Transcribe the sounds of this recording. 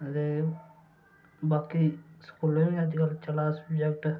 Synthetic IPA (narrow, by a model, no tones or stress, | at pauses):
t̪eː | baːkiːskuːleiəd̪iɡəlt͡ʃəlaːsəbd͡ʒɛkʈ